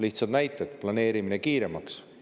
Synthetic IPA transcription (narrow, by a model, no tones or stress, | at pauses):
liht̪sɑd̪̥næjt̪ːˑed̪̥plɑne̞ːɾiminekiːɾe̞mɑks